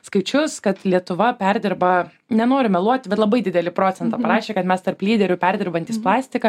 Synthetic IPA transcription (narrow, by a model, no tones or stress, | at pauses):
skɐɪt͡ʃʲʊskɐt̪lʲiɛt̪ʊʋɐpʲɛɾʲd̪ʲɪrbɐ | nʲɛnoːɾʲɪmʲɛlˠuɔt̪ʲbʲɛt̪lˠɐbɐɪdʲɪd̪ʲɛlʲɪpɾoːtt͡s̪ʲsʲɛnt̪ɑːpɐɾɑːʃʲeːkɐt̪mʲɛst̪ɐrplʲiːd̪ʲɛɾʲʊpʲɛɾʲd̪ʲɪɾbɐnʲt̪ʲiːsplˠɑːsʲt̪ʲɪkɐ